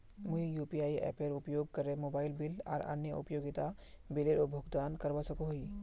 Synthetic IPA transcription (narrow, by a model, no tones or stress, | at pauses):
muijuːpiaːiɛ̰ːpeɾʊpjoːɡ̚kɐɾemoːbaːɪlbɪlɔ̰ːɾɐ̰njəʊ̰pjoːɡɪt̪abɪleɾobʱoːɡd̪aːnkɐɾʋasɐkoɦoi